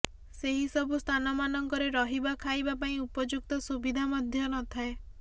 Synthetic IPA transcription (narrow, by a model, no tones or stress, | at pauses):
seɦisɔbʱust̪ʰanɔmanɔŋkɔɾeɾɔɦibakʰajbapaĩupɔd͡ʒuk̚t̪ɔsubid̪ʱamɔd̪ʱjɔnɔt̪ʰae